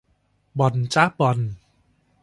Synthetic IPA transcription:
bɔ˨˩nt͡ɕa˦˥bɔ˨˩n

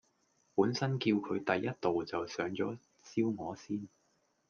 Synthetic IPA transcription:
puː˨˥nsɐ˥nki˧wkʰɵ˨˧ɥt̪ɐ˨jːɐ˥t̚t̪o˨wt͡sɐ˨wsœː˨˧˥ŋt͡sɔː˨˥ | t͡siː˥wŋɔː˨˧˥siː˥n

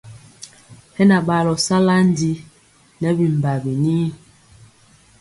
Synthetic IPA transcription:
hɛ˦na˨ɓa˨lɔ˨sa˦la˦n˦di˦ | nɛ˨˦bi˨m̩˨ba˨bi˨niː˦

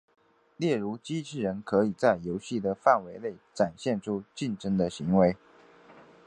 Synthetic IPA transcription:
ljɛ˥˩ɻu˧˥t͡ɕi˥ʈ͡ʂʰɻ̩˥˩ɻə˧˥nkʰɤ˧˥i˨˩t͡sa˥˩ɪjo˧˥ʊɕi˥˩d̪ə˩fa˥˩nwe˧˥ɪle˥˩ɪʈ͡ʂa˨˩nɕjɛ˥˩nʈ͡ʂʰu˥t͡ɕi˥˩nʈ͡ʂə˥ŋd̪ə˨ɕi˧˥ŋwe˧˥ɪ

